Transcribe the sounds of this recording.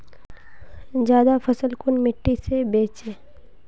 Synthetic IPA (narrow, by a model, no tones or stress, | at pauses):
d͡ʒjaːd̪afʰəsəlkʊnmɪʈːisebeːt͡ʃe